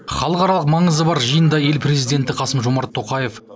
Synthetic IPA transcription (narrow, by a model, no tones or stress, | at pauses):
χɑlˠəqɑɾɑlˠəqmɑɴəzəbɑɾʒəjənd̪ɑje̞lpʰɾe̞zijd̪e̞nt̪ɪqʰɑsəmʒo̞mɑɾt̪ʰːo̞qɑje̞f